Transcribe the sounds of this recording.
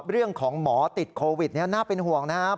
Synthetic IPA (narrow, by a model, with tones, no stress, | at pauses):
ɾɯ˥˩əŋkʰɔː˩˦ŋmɔː˩˦t̪i˨˩t̪̚kʰoː˧wi˨˩t̪̚ni˥˩ɐnaː˥˩pe˧nɦu˨˩əŋna˦˥